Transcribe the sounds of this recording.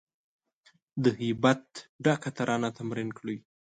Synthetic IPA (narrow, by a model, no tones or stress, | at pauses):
d̪əɦɪbat̪̚ɖakat̪aɾʔɑnat̪amɾɪnkɽuj